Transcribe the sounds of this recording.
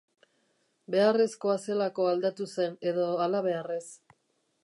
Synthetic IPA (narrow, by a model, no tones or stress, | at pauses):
be̞are̞sko̞ase̞lako̞ald̪at̪use̞ne̞ðo̞alaβ̞e̞are̞s